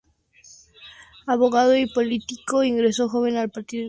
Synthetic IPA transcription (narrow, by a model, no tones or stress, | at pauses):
aβo̞ɣað̞oipo̞lit̪iko̞iŋɡɾe̞so̞xo̞β̞e̞nalpaɾt̪io